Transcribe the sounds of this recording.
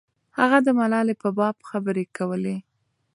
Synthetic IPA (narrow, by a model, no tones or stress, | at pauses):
haɣad̪əmalɑlepəbɑbxabəɾekawəle